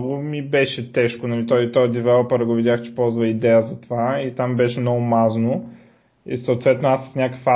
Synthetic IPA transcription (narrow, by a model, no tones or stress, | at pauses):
vomibɛʃɛt̪ɛʃkonɐlit̪ɔit̪ɔjəd̪ɛvɛlˠopɛɾɡovid̪ʲjaxt͡ʃɛ̥pɔlˠzvɐid̪ɛjəzɐt̪ovait̪ambɛʃɛmnɔɡʊmazno | ḭsɐʊt̪vɛt̪noasːə̥snʲakəkfa